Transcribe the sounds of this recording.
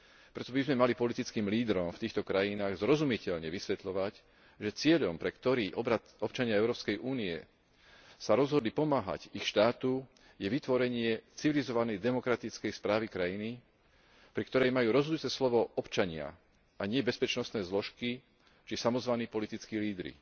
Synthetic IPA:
pɾɛt̪ɔbizmɛmalipɔlit̪it͡skiːmliːd̪ɾɔmft̪iːxt̪ɔkɾajinaːɣzɾɔzumicɛʎɲɛʋisʋɛt̪ʎɔʋac | ʒɛt͡sɪɛʎɔmpɾɛkt̪ɔɾiːʔɔbɾat̪ɔpt͡ʃaɲɪaɛʊɾɔːpskɛjʔuːniɛ̰ | saɾɔzɦɔd̪lipɔmaːɦa̰cixʃt̪aːt̪u | jɛʋit̪ʋɔɾɛɲɪɛt͡siʋilizɔʋanɛjd̪ɛmɔkɾat̪it͡skɛjspɾaːʋikɾajini | pɾikt̪ɔɾɛjmajuːɾɔzɦɔd̪ut͡sɛslɔʋɔɔpt͡ʃaɲɪa̰ | aɲɪɛbɛspɛt͡ʃnɔst̪nɛːzlɔʃki | t͡ʃisamɔzʋaniːpɔlit̪it͡skiːliːd̪ɾḭ

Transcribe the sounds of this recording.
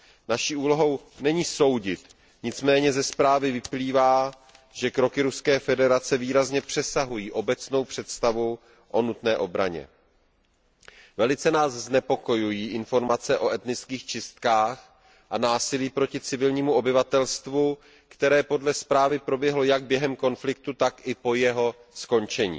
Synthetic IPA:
naʃiːʔuːlo̞ɦo̞wnɛɲiːso̞wɟɪt̪ | ɲɪt͡smɛːɲɛzɛspɾaːvɪvɪpliːvaː | ʒɛkɾo̞kɪɾuskɛːfɛdɛɾat͡sɛviːɾazɲɛpr̥ɛsaɦujiːʔo̞bɛt͡sno̞wpr̥ɛt̪st̪avu | ʔo̞nut̪nɛːʔo̞bɾa̰ɲɛ̰ | vɛlɪt͡sɛnaːzznɛpo̞ko̞jujiːʔɪnfo̞ɾmat͡sɛʔo̞ʔɛt̪nɪt͡skiːxt͡ʃɪst̪kaːx | ʔanaːsɪliːpɾo̞cɪt͡sɪvɪlɲiːmuʔo̞bɪvat̪ɛlst̪vu | kt̪ɛɾɛːpo̞dlɛspɾaːvɪpɾo̞bjɛɦlo̞jaɡ̚bjɛɦɛmko̞nflɪk̚t̪ut̪akʔɪpo̞jɛɦo̞sko̞nt͡ʃɛɲḭː

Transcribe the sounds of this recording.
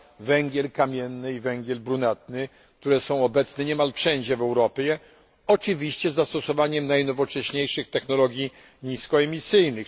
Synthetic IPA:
vɛŋɡʲjɛlkamʲjɛnːɘivɛŋɡʲjɛlbɾunat̪̚nɘ | k̚t̪uɾɛsɔ̃w̃ɔbɛt̪snɛɲɛmalfʂɛɲd͡ʑɛvɛwɾɔpʲjɛ | ɔt͡ʂɘvʲiɕt͡ɕɛzːast̪ɔsɔvaɲɛmnajnɔvɔt͡ʂɛɕɲejʂɘxt̪ɛxnɔlɔɡʲji | ɲiskɔɛmʲisɘjnɘx

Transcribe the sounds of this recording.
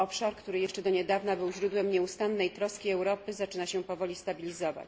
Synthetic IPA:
ɔpʂaɾkt̪uɾɘjɛʂt͡ʂɛd̪ɔɲɛd̪avnabɘwʑɾud̪wɛmɲɛust̪anːɛjt̪ɾɔskʲiɛwɾɔpɘzat͡ʂɘnaɕɛpɔvɔlʲist̪abʲilʲizɔva̰t͡ɕ

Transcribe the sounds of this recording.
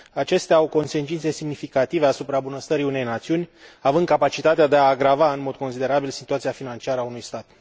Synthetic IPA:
at͡ʃe̞st̪eaawko̞nse̞nt͡ʃint̪se̞simnifikat̪iveasupɾabunəst̪əɾiune̞jnat̪siunʲavɨnd̪kapat͡ʃit̪at̪ead̪e̞aːɡɾavaɨnmo̞d̪̚ko̞nsid̪e̞ɾabilsit̪uat̪siafinant͡ʃiaɾəaunujst̪at̪

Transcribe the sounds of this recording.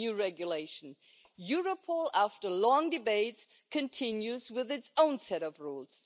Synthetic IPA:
ʉɹɛɡjɨleɪʃn̩ | juɹəpʰɔlˠæftə˞lɔ̃ŋdɨbeɪts | kʰɨ̃ntʰɪ̃njʉzwɪðɨtsõʊ̃nsɛɾʌvɹulˠz̥

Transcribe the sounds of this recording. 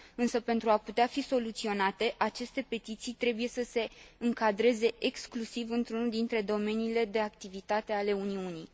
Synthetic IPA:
ɨnsəpe̞nt̪ɾuaput̪eafiso̞lut̪sio̞nat̪e̞ʔat͡ʃe̞st̪e̞pe̞t̪it̪sijt̪ɾe̞buje̞səse̞ɨŋkad̪ɾe̞ze̞ʔeksklusivɨnt̪ɾunuld̪int̪ɾe̞d̪o̞me̞niːle̞d̪e̞akt̪ivit̪at̪e̞ale̞uniunij

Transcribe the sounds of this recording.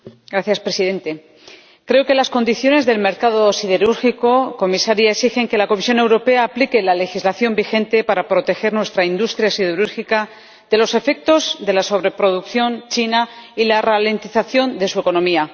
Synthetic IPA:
ɡɾaθjaspɾe̞siðe̞nt̪e̞ | kɾeoke̞lasko̞nd̪iθjo̞ne̞zðe̞lme̞ɾkað̞o̞siðe̞ɾuɾxiko̞ko̞misaɾjaeksixe̞ŋke̞lako̞misjo̞ne̞wɾo̞pe̞aːplike̞lale̞xizlaθjo̞mbixe̞nt̪e̞paɾapɾo̞t̪e̞xe̞ɾnwe̞st̪ɾaind̪ust̪ɾjasið̞eɾuɾxika | ð̥e̞lo̞se̞fe̞k̚t̪o̞zðe̞laso̞β̞ɾe̞pɾo̞ðukθjo̞nt͡ʃinailarale̞nt̪iθaθjo̞nd̪e̞sue̞ko̞no̞mia

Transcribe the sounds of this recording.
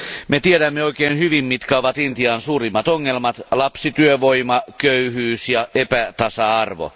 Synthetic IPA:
met̪ieɾæmːeoikeːnhyʋimmit̪kæoʋɑt̪int̪iɑːnsuːrimːɑt̪oŋːelmɑt̪lɑpsit̪yøʋoimɑkøyhyːsjɑepæt̪ɑsɑɑrʋo̰

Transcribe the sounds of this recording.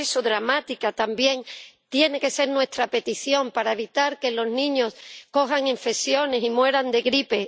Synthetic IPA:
esoðɾamat̪ikat̪ambje̞ŋt̪je̞ne̞ke̞se̞ɾnwe̞st̪ɾape̞t̪iθjo̞mpaɾae̞βit̪aɾke̞lo̞znĩɲo̞sko̞ɦaŋiɱfesjo̞ne̞simwe̞ɾand̪e̞ɣɾipe̞

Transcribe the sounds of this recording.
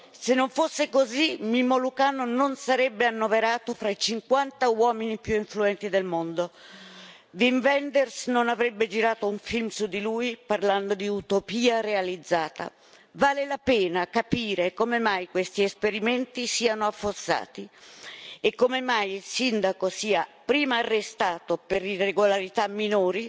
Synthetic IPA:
senːoɱfosːekozimimolukaːnononsaɾɛbːeanːoveɾaːt̪ofɾait͡ʃiŋkwant̪awɔːminipjuiɱfluɛnt̪id̪elmond̪o | viɱvɛnd̪ɛrsnonavɾɛbːed͡ʒiɾaːt̪ouɱfilmsud̪ːilujparland̪od̪iut̪opiːarealid̪zːaːt̪a̰ | vaːlelapɛːnakapiːɾekomemajkwest̪iespeɾiment̪isiːanoafːosːa̰ːt̪i | ekːomemajilsind̪akosiːapɾiːmaːrːest̪aːt̪opeɾireɡolaɾit̪amːinoːɾi

